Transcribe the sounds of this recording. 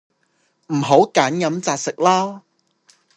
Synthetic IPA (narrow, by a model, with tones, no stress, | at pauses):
m̩˨˩ɦo˨˥wkaː˨˥njɐ˨˥mt͡saː˧k̚sɪ˨k̚laː˥